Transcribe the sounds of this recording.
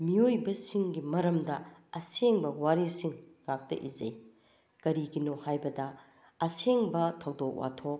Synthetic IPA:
miojbɐsiŋɡimɐɾɐmdɐɐseŋbɐwaɾisiŋŋak̚tɐ̰ʔizɐj | kɐɾiɡinohajbɐdɐ | ɐseŋbɐtʰɐwdok̚wa̰tʰok̚

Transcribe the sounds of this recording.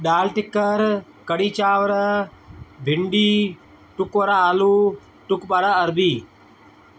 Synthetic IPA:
ɗaːlʈɪkːəɾ | kəɽiːt͡ʃaːʋɾə | bʱɪɳɖiː | ʈʊkʋəɾaːaːluː | ʈʊkɓaɽaːəɾbiː

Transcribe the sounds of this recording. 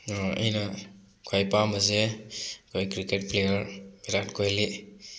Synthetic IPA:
ə̰jna | kʰojpaməzekʰojkɾiket̚plejəɾbiɾatkʰojli

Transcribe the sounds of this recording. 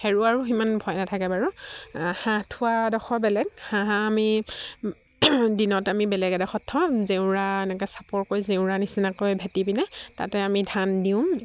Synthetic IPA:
heɹuaɹuximanbʱɔjnatʰakɛbaɹuhãtʰʊadɔxɔbɛlɛɡ̚hãɦaːmi | dinɔtamibɛlɛɡɛdaxɔtʰːɔzeʊ̃ɹaɛnɛkɛsḁpɔɹkojzeʊ̃ɹanisinakojbʱɛtibinɛta̰tɛamidʱandiʊ̃m

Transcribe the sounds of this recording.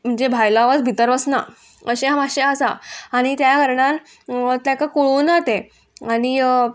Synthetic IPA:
m̤əɳd͡zebʱajlaʋat͡sbʱit̪əɾʋəsna̰ | əɕeɦamaɕeəsa̰aɽ̃it̪jakəɾɳãn | t̪jãkakoɭuːnat̪e | aɽ̃i

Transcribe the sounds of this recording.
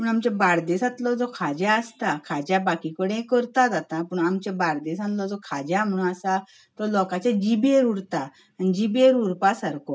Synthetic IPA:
pəɳamt͡ɕabaɾd̪esat̪lɔd͡zɔkʰad͡ʑaəst̪akʰad͡ʑjabakikəɽ̃ẽkəɾt̪ad͡zat̪ãpəɳamt͡ɕebaɽd̪esãnlɔd͡zɔkʰad͡ʑjam̤əɳ̃ũasa | t̪ɔlɔkat͡ɕad͡ʑibeɾuɽt̪aː | nid͡ʑibeɾuɽpasaɾkɔ

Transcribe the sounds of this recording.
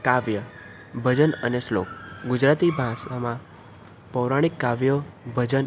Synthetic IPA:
kaʋjə | bʱəd͡ʒənəneslo̰k̚ɡʊd͡ʒɾat̪ibʱãsamã | pəwɾaɽ̃ikːaʋjobʱəd͡ʒən

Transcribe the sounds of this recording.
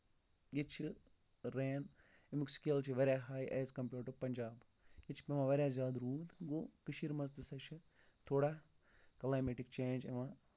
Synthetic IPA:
jit͡ʃʰi | ɾeːn | imikskeːlt͡ʃʰiʋɐɾʲjaɦaːjʔɐːzkɐmpʲjuːʈɐɾpɐɲʲd͡ʒaːb | jit͡ʃʰi̥pemãʋɐɾʲjaːzjaːd̪ɾuːd̪ɡokɨʃiɾmɐzd̪ɨsɐʃʰɨ | t̪ʰoːɽaː | kɐlaːjmeːʈik̚t͡ʃẽːnd͡ʒeʋãː

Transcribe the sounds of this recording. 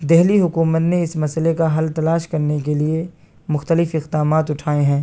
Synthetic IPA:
d̪ɛɦliɦʊkuːmət̪neɪsmɐsəlekaɦɐlt̪ɐlaːʃkɐɾnek̬elie | mʊxt̪əlɪfɪqd̪aːmaːt̪ʊʈʰaːeɦɛ̃ː

